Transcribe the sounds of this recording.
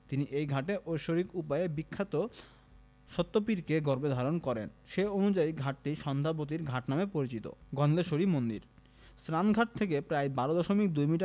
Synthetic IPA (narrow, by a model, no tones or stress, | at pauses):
t̪iniʔejɡʱaʈeʔojʃoɾikupaebikʰːat̪o | ʃɔt̪ːopiɾkeɡɔɾbed̪ʱaɾonkɔɾḛnʃeonud͡ʑaiɡʱaʈ̚ʈiʃɔnd̪ʱapot̪̬iɾɡʱaʈnamepoɾit͡ɕit̪o̰ɡʱɔnd̪eʃoɾimond̪ḭɾ | st̪ɾanɡʱaʈ̚t̪ʰek̬epɾaebaɾod̪ɔʃomik̚d̪ujmiʈa